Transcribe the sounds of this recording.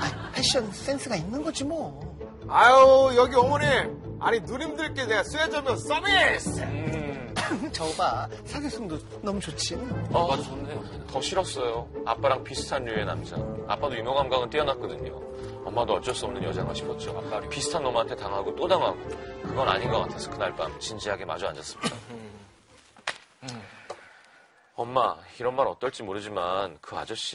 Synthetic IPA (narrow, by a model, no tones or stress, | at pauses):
aipʰeɕ͈ʌns͈e̞ns͈ʰɯɡainːɯnɡʌd͡ʑimo | ajojʌɡiʌmʌneaɲinuɾimdɯɭk͈eneɡasʰued͡ʑʌmjʌs͈ʌme | t͡ɕʌɡa | sʰaɡes͈ʰoŋdo | nʌmut͡ɕot͡ɕʰinɯaoe | tʌɕʰiɾʌs͈ʌjoa̰p͈aɾaŋpisʰɯ̥tʰanːuena̰md͡ʑa̰a̰p͈adoimjoŋɦamɡaŋɯnt͈iʌnat̚k͈ʌdɯɲo̰ | ʌmːadoʌtt͡ɕ͈ʌs͈ɯʌmnɯnɲjʌd͡ʑaŋaɕʰi̥pʰʌt̚t͡ɕ͈opisʰɯ̥tʰanːʌmantʰe̞taŋɦaɡot͈odaŋɦaɡokɯɡʌna̰ɲinɡʌk͈atʰesʰʌkʰɯnaɭp͈amt͡ɕind͡ʑiɦaɡe̞ma̰d͡ʑoand͡ʑas͈ɯ̥mɲida | ʌmːaiɾʌnmaɾʌt͈ʌɭt͡ɕ͈imoɾɯd͡ʑimankɯa̰d͡ʑʌɕ͈i